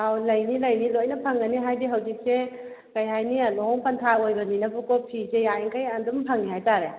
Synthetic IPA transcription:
awlɐjnilɐjnilojnɐpʰaŋɡɐniɦajdiɦɐwzik̚se | kɐjɦajnialɔŋpɐntʰaojbɐninɐbukɔpʰizejaiŋkajandumpʰaŋniɦajtaɾe

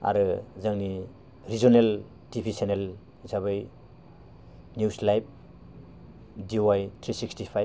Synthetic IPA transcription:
a̰ɾɯzaŋni | ɾizɔnel | tibʱisenel | isaβɯj | njuslajp̚ | diowajtʰɾisikstipʰajb̚

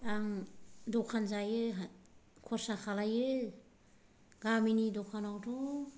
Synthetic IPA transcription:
aŋdɔkʰanzajɯɦakʰɔɾsakʰalajɯ | ɡaminidɔkʰanawtʰɔ

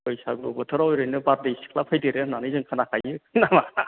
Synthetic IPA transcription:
kɯjsaɡɔbɯtʰɯɾawjɾɯjnɯbaɾdejsi̥kʰlapʰajdeɾenanɯzɯŋkʰanakʰajɯnama

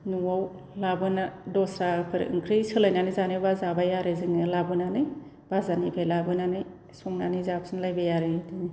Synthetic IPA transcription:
nuaw | labɯnadɔsɾapʰɯɾ̰ɯ̰ŋkʰɾɯsɯlajnanɯzanɯbazabajaɾɯzɯŋnɯlabɯnanɯj | b̥azanipʰajlabɯnanɯj | sɔŋnanizap̚sɯnlajbajaɾɯdini

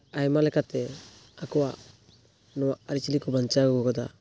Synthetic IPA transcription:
ajmalɛkat̪ɛ | akɔwa | nɔwaaɾit͡ʃilikɔbant͡ʃaɡɔɡɔɡɔd̪a̰

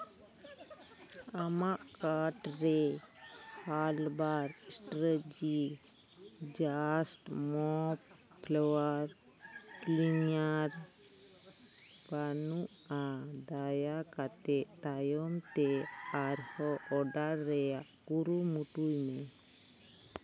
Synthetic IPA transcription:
amaʔkaɾʈɾe | halbaɾsʈɾəd͡ʒi | d͡ʒasʈmɔp | pʰlɔwaɾ | klinjaɾ | banuʔad̪ajakat̪ɛʔt̪ajɔmt̪eaɾhɔʔɔɖaɾːɛjaʔkuɾumuʈujme

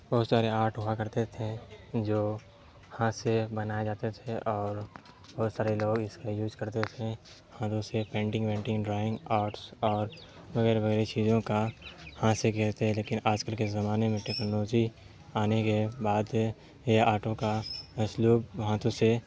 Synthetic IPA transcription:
b̥ɔɦʊt̪saːɾeaːɾʈɦʊakɐɾt̪et̪ʰẽd͡ʒoː | hãsebɐnaːed͡ʒaːt̪et̪ʰeʔɔːɾ | bɔɦʊt̪saːɾeloːɡɪskajuːzkɐɾt̪et̪ʰẽ | hãt̪õsepẽːɳʈɪ̃ŋɡpẽːɳʈɪ̃ŋɡɖɾaːɪ̃ŋɡaːɾʈsɔːɾ | ʋɐɣɛːɾʋɐɣɛːɾet͡ʃiːzõkahãsekeɾt̪eɦɛ̃leːkɪ̃naːd͡ʒkəlkezɐmaːnemẽʈeːknoloːd͡ʒi | aːnekebaːd̪ | jeaːʈõkaəsluːb̚ʋɐɦãt̪õse

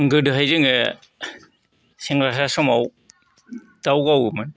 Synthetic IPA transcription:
ŋɡɯdɯɦajzɯŋɯ | seŋɾas̬asɔmaw | d̥awɡawɯmɯn

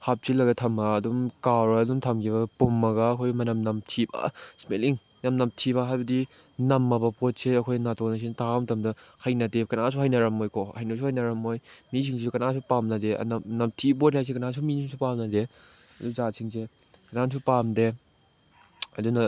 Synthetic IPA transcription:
hap̚silːɐɡɐtʰɐmɐːdumkaɾɐdumtʰɐmkʰiβɐpumːɐɡɐːkʰojmɐnɐmnɐmtʰibɐ̰smeliŋ | namnɐmtʰibɐɦajbɐdi | nɐmːɐbɐpot̚seɐkʰojnatonɐs̬intʰaamtɐmdɐhɐjnɐdekɐnasuhajnɐɾɐmːojkʰohɐjnɐsuhɐjnɐɾɐmojmis̬ʰiŋs̬isukɐnasupamnɐdeɐ̰nɐnɐmtʰip̬ot̚nas̬ekɐnas̬uminiŋsupamnɐde | ɐduzasʰiŋse | kɐnans̬upamde | ɐdunɐ

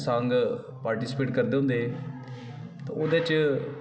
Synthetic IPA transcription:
səŋɡ | paːɾʈiːsɪ̥peːʈkəɾd̪eːɦʊ̃nd̪eː | t̪ãːoːd̪eːt͡ʃ

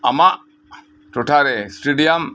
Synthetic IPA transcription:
a̰maʔ | ʈɔʈʰaɾesʈeɖiam

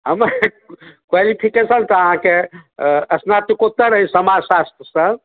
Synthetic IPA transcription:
ɦəməɾ | kwalipʰikesənt̪ɔəɦãke | əsnat̪ikot̪ːəɾəɦjsəmasast̪ʰəsə̃

